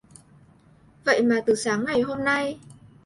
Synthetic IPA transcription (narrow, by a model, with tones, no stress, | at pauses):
və̰˧˨jmaː˨˩t̪ɨ˨˩saː˨˦ŋːa˨˩jɦo˧mna˧j